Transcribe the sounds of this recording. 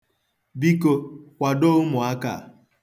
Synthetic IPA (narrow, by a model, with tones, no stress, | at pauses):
bi˦ko˧kʷa˨do˦mʊ˨a˦ka̰˨